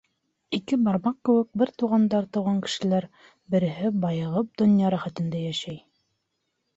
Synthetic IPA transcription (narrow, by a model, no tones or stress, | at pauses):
ikɘbɑɾmɑq̚kɘ̆wɘ̆k̚bɘɾt̪uʁɑnd̪ɑɾt̪ŏwʁɑŋkɘ̥̆ʃɘ̆læɾ | bɘ̆ɾɘ̆ɦɘbɑjɤ̆ʁɤp̚d̪ŏnjɑɾæχæt̪ɘ̆nd̪æjæʃæj